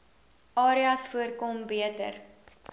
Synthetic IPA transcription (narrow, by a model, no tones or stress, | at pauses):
ʔɑːɾiɐsfuərkombiətə̰r